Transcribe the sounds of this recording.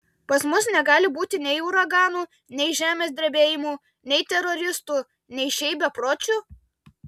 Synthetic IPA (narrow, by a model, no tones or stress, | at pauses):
pɐsmʊsnʲɛɡɑːlʲɪbuːt̪ʲɪnʲɛɪʊːɾɐɡɑːnuː | nʲɛɪʒʲæːmʲeːsʲd̪ʲɾʲbʲeːjɪmuː | nʲɛɪt̪ʲɛɾɔɾʲɪst̪u | nʲɛɪʃʲɛɪbʲɛpɾoːt͡ʃʲu